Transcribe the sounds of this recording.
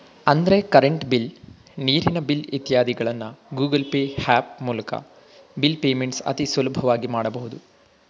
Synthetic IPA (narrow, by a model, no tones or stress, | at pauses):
ɐnd̪ɾe̞kɐɾeɳʈbil | niːɾinɐbilit̪jaːd̪iɡɐɭɐnːɐɡuːɡɐlpeːhaːp̚muːlɐkɐ̰ | bilpeːmeɳʈsɐ̰t̪isʋɐlubʱɐʋaːɡimaːɽɐbɐɦud̪u